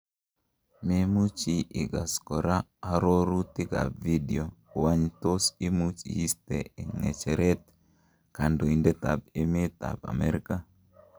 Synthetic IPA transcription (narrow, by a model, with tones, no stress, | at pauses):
me˦mu˦t͡ʃi˨ʔɪ˨ɡa˨skɔ˨ɾa˦a˨ɾo˦ɾu˦t̪ɪ˦ɡa̰˨bvi˦dio˨wa˦ɲt̪o˦si˦mu˦t͡ʃḭ˨i˦stee˨ŋɛ̰˨t͡ʃɛɾɛ˦t̚ | ka˨ndo˨i˨nde˦t̪a̰˨b̚eme˦t̪a̰˨ba̰˨mɛɾika˦